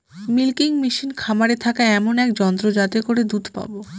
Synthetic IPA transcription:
milkiŋmiʃinkʰamaɾet̪ʰakaeɛmonɛkd͡ʑɔnt̪ɾod͡ʑat̪ekoɾed̪ut̪ʰpa̰bo

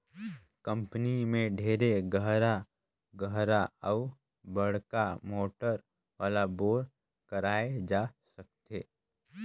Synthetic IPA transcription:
kə̃mpnimẽɖʱeːɾeɡəɦɾa | ɡəɦɾaɔʊ | bəɽ̤kamoːʈəɾ | ʋaːlaboːɾ | kəɾaːed͡ʒaːsək̚t̪eː

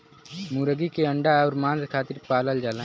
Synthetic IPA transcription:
muːɾəɡikeə̃ɳɖaɔːɾmãːnzkʰaːt̪ɪɾpaːləld͡ʒaːlã

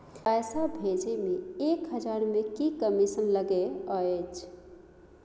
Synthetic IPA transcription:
pɛjsabʱed͡ʒemeekɦəd͡ʒaɾmekikəmisənləɡeəet͡ʃʰ

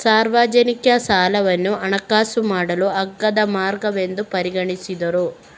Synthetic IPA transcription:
saːɾʋaːd͡ʒɐnikjɐsaːlɐʋɐnːuʔɐnɐkaːsumaːɽɐluɐɡːɐd̪ɐmaːɾɡɐʋe̞nd̪upɐɾiɡɐɳisid̪ɐɾu

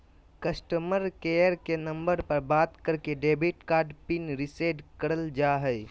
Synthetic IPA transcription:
kəsʈəməɾkejəɾkenə̃mbəɾpəɾbaːt̪kəɾkeɖeːbiʈkaːɾɖpinɾɪseːɖkəɾəld͡ʒaɦɛɪ

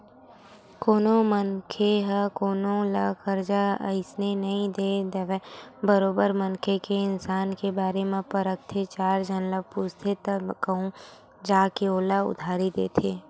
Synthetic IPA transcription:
koːnõmənkʰeɦəkoːnõlakəɾd͡ʒaə̰ɪsnenɐɦĩd̪eːd̪əʋɛbəɾoːbəɾmənkʰekeɪnsaːnkebaːɾemẽpəɾək̚t̪ʰet͡ʃaːɾd͡ʒʱənləpust̪ʰet̪kəɦũ | d͡ʒaːkeoːlaʊ̰d̪ʱaːɾid̪ḛːt̪ʰeː

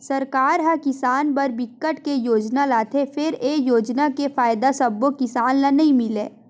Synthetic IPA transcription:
sɐɾkaːɾɦakɪsaːnpɐɾbɪkːəʈkejoːd͡ʒnalaːt̪ʰefʰɪɾeːjoːd͡ʒnakefaːɪd̪asɐbːokɪsaːnːanɐɦĩmɪleː

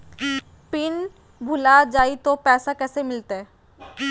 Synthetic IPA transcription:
pɪn | bʱʊlad͡ʒaːit̪opɛːsakɛːsemɪlt̪aɦɛː

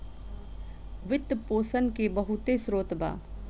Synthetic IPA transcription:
ʋɪt̪ːpoːsənkebəɦʊt̪esɾoːt̪ba̰ː

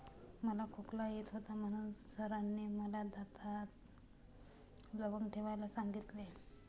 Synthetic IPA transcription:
məlakʰoklajet̪ɦot̪am̤əɽ̃uːnsəɾanːiməlad̪at̪at̪ | ləbəŋɡʈʰeʋajlasaŋɡit̪le

